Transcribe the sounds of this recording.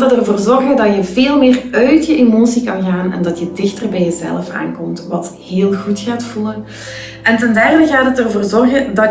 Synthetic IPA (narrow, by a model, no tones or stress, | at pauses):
tətərvoːrzɔrɣədɑtjəveːlˠmɪːrœɥtjəʔemoːsikɑnɣaːnɛ̰ndɑtjədɪxtərbɛjəzɛ̰ləfa̰ːnkɔmtʋɑtɦeːlˠɣutxaːtfulən | ʔɛntɛndɛrdəɣaːtətərvoːrzɔrɣədɑ